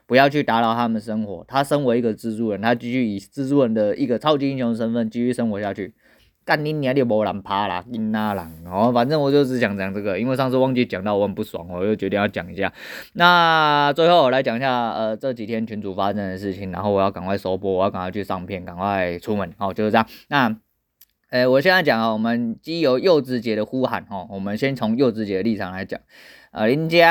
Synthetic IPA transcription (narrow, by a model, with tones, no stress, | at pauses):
pu˧˥jɑ˥˧ʊt͡ɕʰy˥˩t̪a˧˥lɑ˨˩ʊt̪ʰa˥mə˨nʂə˥ŋxwɔ̰˧˥t̪ʰa˥ʂə˥nwe˧˥ɪi˧˥ɡə˨t͡sɹ̩˥t͡su˥wə˧˥˩nt̪ʰa˥t͡ɕi˥˧ɕy˥˩i˨˩t͡sɹ̩˥˧t͡su˥˩wə˧˩nd̪ə˨i˥˩ɡə˩t͡sʰɑ˥ʊt͡ɕi˥i˥nɕjɔ˧˥ŋd̪ə˨ʂ̬ə˥nfə˥˩nt͡ɕi˥ɕy˧˥ʂə˥nxwɔ˧˥ɕja˥˧t͡ɕʰy˥˩ | ka˥˩ni˧˥nː˨˧˥li˧˩wɔ˧˥la˨˥npʰa˥la̰˨ki˧˥nna˥la̰˨˩nhɔ˥˧˩fa˨˩nt͡sɤ˥ŋwɔ˨˩t͡ɕjo˥˧ʊt͡sɹ̩˧˥t͡ɕjɑ˨˩ŋt͡ɕjɑ˨˩ŋt͡sɤ˥˩ɡə˩i˥nwe˥˧ɪʂɑ˥˧ŋʂ̬ɻ̩˥˧wɑ˥˧ŋt͡ɕi˥˩t͡ɕjɑ˨˩ŋt̪ɑ˥˩ʊwɔ˧˥ə˨˩npu˥˩swɑ̰˨˩ŋwɔ˨t͡ɕjo˥˩ʊt͡ɕɥɛ˧˥t̪i˥˧jɑ˥˩ʊt͡ɕjɑ̰˨˩ŋi˧˦˥ɕja̰˥˩na˥˨t͡swe˥˧ɪxo˥˩wɔ˨˩la˧˥ɪt͡ɕjɑ˨˩ŋi˨˩ɕja˥˧ə˨t͡sɤ˥˩t͡ɕi˨˩t̪ʰjɛ˥nt͡ɕʰy˧˥nt͡su˨˩fa˦˥t͡sə˥nd̪ə˨ʂ̬ɻ̩˥˩t͡ɕʰi˨˩ŋna˧˦nxo˥ʊwɔ˨˦jɑ˥˩ʊka̰˨˩ŋwa˥˩ɪso˧˥ʊpwɔ˥wɔ˨˩jka˨ŋwa˥˧ʊt͡ɕʰy˥˧ʂɑ˥˧ŋpʰjɛ˥˩nka˨˩ŋwa˥˧ɪt͡sʰu˥mə˨˧˦nhɔ˨˩t͡ɕjo˥˧ʊʂ̩˥˧˥a˨˩ŋna˥˧ | ə˧wɔ˨˩ɕjɛ˥˧na˥˩t͡ɕjɑ˨˩ŋa˨˩wɔ˨˩mə˦nt͡ɕi˥jo˧˥ʊjo˥˧ʊt͡sɹ̩˥˩t͡ɕjɛ˧˥ɾə˨xu˥xa˨˩˦nxɔ˥˨˩wɔ˨˩mə˦nɕjɛ˥nt͡sʰʊ˧˥ŋjo˥˧ʊt͡sɹ̩˥˩t͡ɕjɛ˧˥də˨˧li˥˩t͡sʰɑ˨˩ŋla˧˦ɪt͡ɕjɑ̰˨˩ŋ | ə̰˨˩li˧˥nt͡ɕja˦˥